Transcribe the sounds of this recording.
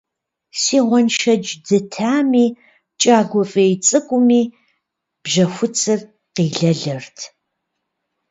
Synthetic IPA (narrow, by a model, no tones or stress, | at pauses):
siːʁʷɔnʃɐd͡ʒdɨtʰaːmiː | t͡ʃʼaːɡʷɔfʼejt͡sʼɨkʷʼʊmiː | b̥ʒɐxʷʊt͡sʰɨr | qiːɮɐɮɨrtʰ